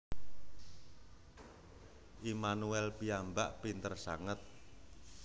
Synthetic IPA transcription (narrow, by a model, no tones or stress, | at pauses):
ʔimanuɛlpiambaʔpint̪ərsa̰ŋət̪̚